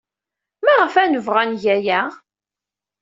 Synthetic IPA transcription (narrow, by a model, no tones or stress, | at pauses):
maʁəfænəvʁænʝæjæ